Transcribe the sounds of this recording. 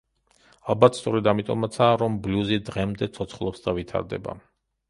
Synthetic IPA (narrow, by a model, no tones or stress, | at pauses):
alˠbat̪ʰst̪ʼɔɾɛd̪amit̪ʼɔ̰mat̪sʰaːɾɔmbluzid̪ʁɛmd̪ɛt̪sʰɔt̪sʰχlˠɔpsd̪avit̪ʰa̰ɾd̪ɛ̰ba̰